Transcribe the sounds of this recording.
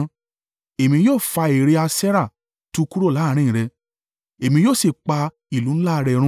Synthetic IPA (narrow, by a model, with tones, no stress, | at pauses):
e˨mĩ˧joː˦˨fa˧e˨ɾe˨˧˦a˧sɛ˦ɾa˦˨ | tu˦ku˦ɾo˦˨la˨˦˨ɾ̃ĩ˦˨ɾɛ˧ | e˨mĩ˧joː˦˨se˨k͡pa˧ | i˨lũ˨˦n̩˦la˦˧ɾɛ˧ɾũ˧˦